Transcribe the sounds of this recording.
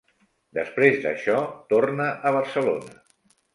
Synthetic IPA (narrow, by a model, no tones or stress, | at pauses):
d̪əspɾezd̪ə̰ʃɔt̪ornəʔəβ̞ərsəlonə